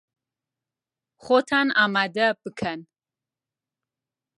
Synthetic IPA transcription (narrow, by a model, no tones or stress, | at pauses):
χot̪ʰanamad̪ab̥ɨkʰan